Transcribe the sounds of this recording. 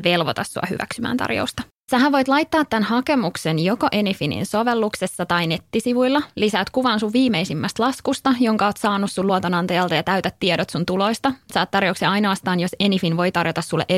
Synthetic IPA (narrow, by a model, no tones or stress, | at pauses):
ʋe̞lʋo̰t̪ɑ̰sːṵɑ̰hy̰ʋæ̰ksymæ̰ːnt̪ɑ̰rjo̰ust̪ɑ | sæɦæʋʋo̞jt̪lɑjt̪ːɑːt̪ːænhɑke̞muksenjo̞koʔe̞nifinḭnso̞ʋe̞lːuksesːɑt̪ɑjne̞t̪ːisiʋujlːɑlisæːt̪kuʋɑnsuʋʋiːmeisimːæst̪lɑskust̪ɑjoŋkɑoːt̪sɑːnussulluot̪onɑnt̪ɑjɑlt̪ɑjɑt̪æɥt̪æt̪ːieɾot̪sunt̪ulo̞ist̪ɑsɑːt̪tɑrjoukseɑjnoɑst̪ɑːnjo̞se̞nifinʋo̞jt̪ɑrjot̪ɑssulːḛʔ